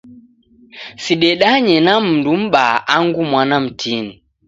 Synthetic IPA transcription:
siɗɛɗaɲɛnam̩ndum̩ɓaʔaŋɡumwanam̩tini

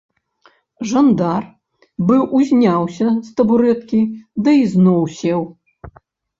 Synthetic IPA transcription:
ʐand̪ar | bɨwʔuzʲnʲawsʲɐst̪ɐbuɾɛt̪kʲid̪ɐiznɔwsʲɛw

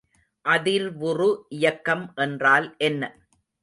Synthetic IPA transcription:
ʔɐðɪɾʋʊrʊʔɪjɐkːɐmʔɛndraːlʔɛnːɐ

